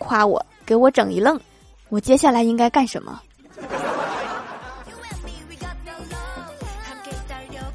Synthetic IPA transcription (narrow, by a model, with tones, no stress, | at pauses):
kʰwa˥wɔ̰˨˩˦ke˨˧˥ɪwɔ˧˥ʈ͡ʂɤ˨˩ŋi˧˥lɤ˥˩ŋ | wɔ˨˩t͡ɕjɛ˥ɕja˥˩la˧˥ɪi˥ŋka˥ɪka˥˩nʂə̰˧˥nmə̰˧